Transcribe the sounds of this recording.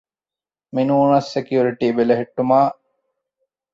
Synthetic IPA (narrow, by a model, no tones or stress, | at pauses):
minuːnɐsːekijuɾiʈiːbeleɦeʈːumaː